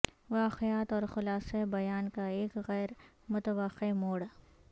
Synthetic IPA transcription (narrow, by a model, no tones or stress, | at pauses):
ʋaːqejaːt̪ɔːɾxʊlaːsebɐjaːnkaeːkɣɛːɾ | mʊt̪əʋaqːemoːɽ